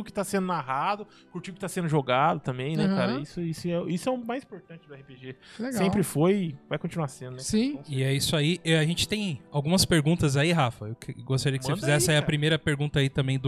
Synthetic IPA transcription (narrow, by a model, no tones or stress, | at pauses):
ʊkɪ̥t̪asẽnd̪ʊnaɦad̪ʊ | pʊɾt͡ʃibʊkɪt̪asẽnd̪ʊʒoɡad̪ʊt̪ɐ̃mbẽj̃nɛkaɾɐisʊisʊɛʊisʊɛʊmajzĩpoɾt̪ɐ̃nt͡ʃɪd̪ʊɛhɪpeʒeleɡssaẽmpɾɪfojvajkõt͡ʃinuasẽnd̪ʊnɛsĩɪɛisʊaiɛaʒẽnt͡ʃɪ̥t̪ẽj̃awɡũmɐspeɾɡũnt̪ɐzaiɦafɐewkɪɡost̪aɾiɐkɪsẽfiizɛsɪɛɐpɾimejɾɐpeɾɡũnt̪ɐait̪ɐ̃mbẽj̃d̪ʊ